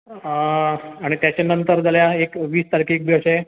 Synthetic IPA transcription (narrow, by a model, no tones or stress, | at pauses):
aɽ̃it̪jat͡ɕanənt̪əɾd͡zaljaekʋiːst̪aɾkiek̚bʱjəʂe